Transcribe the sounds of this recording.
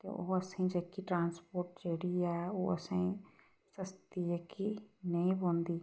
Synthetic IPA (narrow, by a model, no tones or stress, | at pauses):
t̪o̰ʔoəsĩd͡ʒeːkiʈɾãːnspoːɾʈd͡ʒeːɽiɛːoːəsẽĩ | səst̪iekinəĩbõːnd̪iː